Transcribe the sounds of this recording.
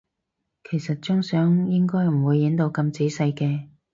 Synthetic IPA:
kʰe˨˩jsɐ˨t̚t͡ʃʊ˥ŋsœː˨˥ŋjɪ˥ŋkɔː˥jm̩˨˩wuː˨˧jːɪ˨˥ŋt̪o˧wkɐ˧mt͡siː˨˥sɐ˧jkɛː˧

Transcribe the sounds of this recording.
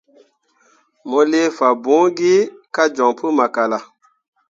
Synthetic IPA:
mɔ˦le˦fa˨bũ˨˦ɡi˦ka˦d͡ʒɔ̃˨ŋpu˦ma˨ka˨la˨

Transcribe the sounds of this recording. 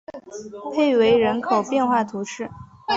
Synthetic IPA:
pʰe˥˩ɪwe˧˥ɪɻə˧˥nkʰo˨˩ʊpjɛ˥˧nxwa˥˩t̪ʰu˧˥ʂɻ̩˥˩

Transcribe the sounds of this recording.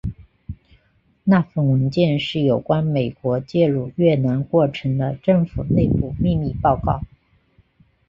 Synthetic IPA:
na˥˩fə˥˩nwə˧˥nt͡ɕjɛ˥˧nʂɻ̩˥˩jo˨˩ʊkwa˥nme˨˩ɪkwɔ˧˥t͡ɕjɛ˥˧ɻu˥˧ɥɛ˥˩na˧˥nkwɔ˥˩ʈ͡ʂʰɤ˧˥ŋd̪ə˧ʈ͡ʂɤ˥˩ŋfu˨˩ne˥˧ɪpu˥˧mi˥˧mi˥˧pɑ˥˧ʊkɑ˥˩ʊ

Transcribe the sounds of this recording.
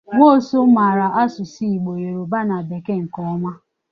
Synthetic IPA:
ŋʷo˦˨so˦ma˨ɾa˨ʔa˦sʊ˨si˦i˨ɡ͡bo˨je˨ɾo˨ba˦na˨be˨ke˦ŋ̩˨kɔ˦ɔ˦mʷa˦

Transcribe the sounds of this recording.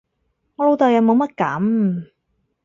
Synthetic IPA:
lo˧wt̪ɐ˨wjɐ˨˧wmo˨˧wmɐ˥t̚kɐ̰˨˥m

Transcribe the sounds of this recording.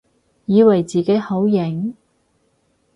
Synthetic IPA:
jiː˨˧wɐ˨˩jt͡siː˨ke˨˥jho˨˥wjɪ˨˩ŋ

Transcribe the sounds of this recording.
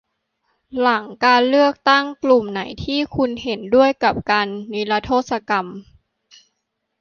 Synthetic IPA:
la˩˦ŋkaː˧nlɯ˥˩ək̚t̪a˥˩ŋklu˨˩mna˩˦jt̪ʰiː˥˩kʰu˧nɦe˩˦ndu˥˩əjka˨˩p̚kaː˧nːi˦˥la˧t̪ʰoː˥˩t̪̚sa˧ka˧m

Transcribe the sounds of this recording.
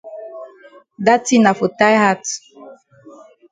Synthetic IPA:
da˦ti˦na˨fo˨ta˦jha˦t

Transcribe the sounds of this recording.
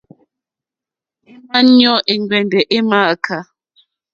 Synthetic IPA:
ma˦nɔ˦ʔe˨ŋɡwɛ˨ndɛ˨ʔe˦ma˦˨kʰa˨

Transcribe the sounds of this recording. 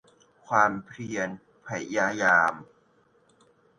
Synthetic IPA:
kʰwaː˧mpʰɾi˧ən | pʰa˨˩jːaː˧jaː˧m

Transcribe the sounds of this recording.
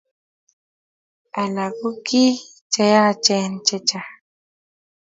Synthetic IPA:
a˨la˨ku˦ki˦ | t͡ʃa˦ja˦˨t͡ʃe˦nt͡ʃe˦t͡ʃa˨

